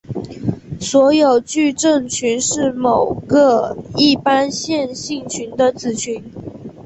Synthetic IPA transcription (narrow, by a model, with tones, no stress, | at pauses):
swɔ˧˥jo˨˩ʊt͡ɕy˥˧ʈ͡ʂə˥˩ŋt͡ɕʰy˧˥nʂɻ̩˥˩mo˨˩ʊɡə˦i˥˩pa˥nɕjɛ˥˧nɕi˥˩ŋt͡ɕʰy˧˥nd̪ə˧t͡sɹ̩˨˩t͡ɕʰy˧˥n